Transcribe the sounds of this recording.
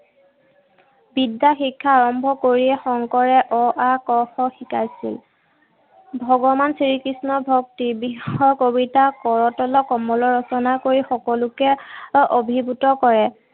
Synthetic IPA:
bidːaxikʰːaːɹɔmbʱɔkoɹiɛxɔŋkɔɹɛʔɔʔakɔxɔxikajsḭl | bʱɔɡɔmansiɹikɹisnɔbʱɔktibixɔɹkobitakɔɹɔtɔlɔkɔmɔlɔɹɔsɔnakoɹixɔkɔlʊkɛʔobʱibutɔkɔɹɛ

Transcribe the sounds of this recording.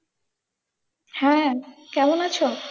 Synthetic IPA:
hɛ̃kɛmonat͡ɕʰo

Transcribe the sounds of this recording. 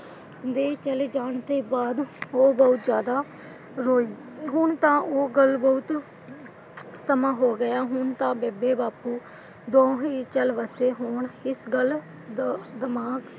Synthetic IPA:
d̪eːt͡ʃəleːd͡ʒaːɳt̪eːbaːd̪oːbəʊt̪zjaːd̪aː | ɾoːiː | ɦʊɳt̪ãːʔoːɡəlbəʊt̪ | səmãːɦoːɡəjaːɦʊɳt̪ãːbeːbeːbaːpuː | d̪õːɦiːt͡ʃəlʋəseːɦoːɳɪsɡəl | d̪d̪əmaːɡ

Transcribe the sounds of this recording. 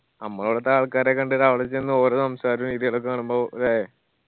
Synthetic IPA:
nɐmːɐɭuːɽet̪ːaːɭkaːɾekːɐɳɖeɾaʋɐɭɐt͡ɕːenːɨoːɾesɐmsaːɾuniðiɐɭɐk̬ːɨkaːɳumboːðaːje

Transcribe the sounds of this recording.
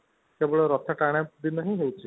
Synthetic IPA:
kebɔɭeɾɔt̪ʰaʈaɽ̃jad̪inɔɦĩɦewt͡ʃʰi

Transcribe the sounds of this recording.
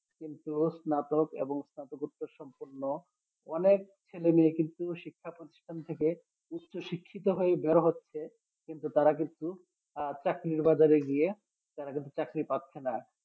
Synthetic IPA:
kint̪usnat̪okḛboŋsnat̪okut̪ːoɾʃɔmpoɾnːo | ɔnek̚ | t͡ɕʰelemiekint̪uʃikʰːapɾot̪i̥ʃʈʰant̪ʰeke | ut̪ːʃʰoʃikʰːit̪oɦoebeɾoɦotːɕʰe | kint̪ut̪aɾakint̪u | t͡ɕakɾiɾbad͡ʑaɾeɡie | t̪aɾakint̪ut͡ɕakɾipat̪ːɕʰena

